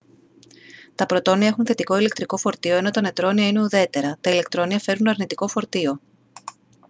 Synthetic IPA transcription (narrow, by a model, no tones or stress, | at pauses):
t̪ɐpɾo̞t̪o̞niɐe̞xunθe̞t̪iko̞ile̞k̚t̪ɾiko̞fo̞ɾt̪io̞enot̪ɐne̞t̪ɾo̞niɐineuðe̞t̪e̞ɾɐt̪ɐile̞kt̪ɾo̞niɐfe̞ɾunɐɾnit̪iko̞fo̞ɾt̪io̞